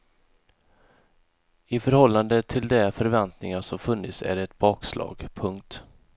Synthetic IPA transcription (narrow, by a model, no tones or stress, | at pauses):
ɪfœɾhɔlːand̪ət̪ʰɪld̪ɛfœɾvɛnt̪nɪŋaʂɔmfɵnːɪt̪sæ̰ɖɛːt̪̚bɑːkslʔɑ̰ːɡpʰɵŋkt̪